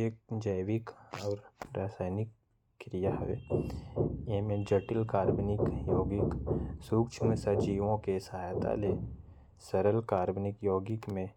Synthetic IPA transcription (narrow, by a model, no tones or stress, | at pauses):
ek̚d͡ʒəjʋɪkɔːɾɾaːsaːjnɪkː | ɾijaɦʋḛ | jemẽd͡ʒɐʈɪlkaːɾbnɪkjoːɡɪksuːkt͡ʃʰmẽsɐd͡ʒiːʋõkesɐɦaːjt̪a̰le | səɾəlkaːɾbnɪkjoːɡɪkmẽ